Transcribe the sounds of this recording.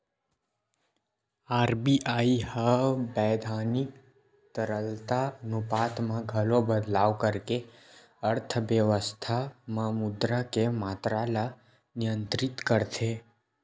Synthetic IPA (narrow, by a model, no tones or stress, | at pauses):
aɾbiʔaihəbɛd̪ʱanik | t̪əɾəlt̪anupat̪ʰmãɡʱəlobəd̪laʋkəɾke | əɾt̪ʰəʋjəʋəst̪ʰamãmʊd̪ɾakemat̪ɾala | nijə̃nt̪ɾɪt̪kəɾt̪ʰe